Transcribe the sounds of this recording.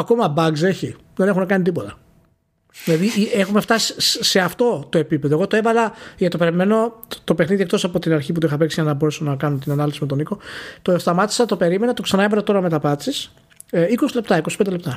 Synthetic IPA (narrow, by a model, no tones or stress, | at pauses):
ɐko̞mɐbɐɡze̞çi | ðe̞ne̞xunekɐnit̪ipo̞t̪ɐ | ðilɐðiiexume̞ft̪ɐsi̥se̞ɐft̪o̞t̪o̞e̞pipe̞ðoɣo̞t̪oe̞vɐlɐʝɐt̪o̞peɾimenot̪o̞pe̞xniðiek̚t̪o̞sɐpo̞t̪inɐɾçip̬ut̪oixɐpeksiʝɐnɐbo̞ɾesonɐkɐnut̪inɐnɐlifsime̞t̪oniko̞t̪ost̪ɐmɐt̪i̥sɐt̪o̞pe̞ɾime̞nɐt̪o̞ksɐnɐevɐlɐt̪o̞ɾɐme̞t̪ɐpɐt̪sis | iko̞sile̞p̚t̪ɐikospend̪elept̪ɐ